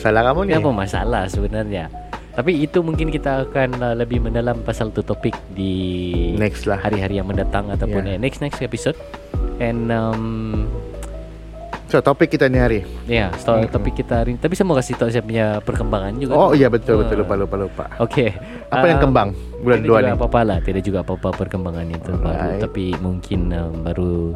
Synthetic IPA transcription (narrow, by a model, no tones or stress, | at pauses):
asalakamunpəmasa̰lahsəbənarɲa | t̪apiːt̪umuŋkɪnkit̪aːkanələbɪhməndalampasalt̪ut̪opɪk̚dinɛkslahhaɾiɦaɾijaŋməndat̪aŋat̪awʊnanɛksnɛksepisod̚ɛnəm | sot̪opɪkːit̪ainiɦaɾiijast̪ɔt̪opɪkːit̪aɾit̪apisəmuakasit̪ɔʔs̬iapuɲapərkəmbaŋand͡ʒuɡaojabənt̪ʊlbəʊlopalopalopa̰ʔokʰe | ʔaəajaŋkəmbaŋ | bulanaluanɡaapapalaht̪iadaʔ̚d͡ʒuɡaːpapapərkəmbaŋanit̪uba̰ɾut̪apimuŋkʰɪnəmbaɾu